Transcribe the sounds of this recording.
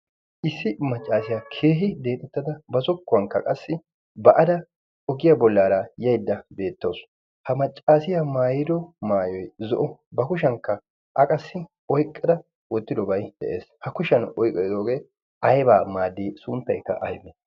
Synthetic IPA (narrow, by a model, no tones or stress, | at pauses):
ʔɪsːɪmɐt͡ʃʼːaːsɪjaːkʰe̞ːɦɪd̪e̞ːt̪ʼɛt̪ːɐd̪ɐbɐsɔkːʊwɐŋkːɐ̰kʼɐsːɪ | bɐʔɐd̪ɐ | ʔɔɡɪjabɔlːaːɾaːjɐjd̪ːɐbe̞ːt̪ːɐws | hɐmɐt͡ʃʼːaːsɪjamaːjɪd̪ɔmaːjɔjzɔ̰ʔɔbɐkʊʃ̬ɐŋkːɐ | ʔɐkʼɐsːɪ | ʔɔjkʼːɛd̪ɐ | wɔt̪ːɪd̪ɔbɐjd̪ɛ̰ʔḛːshɐkʊʃɐnɔjkʼːɔd̪oːɡeː | ʔɐjbaːmaːd̪ːiːsʊnt̪ːɐjkːɐ̰ʔɐ̰jmːɛ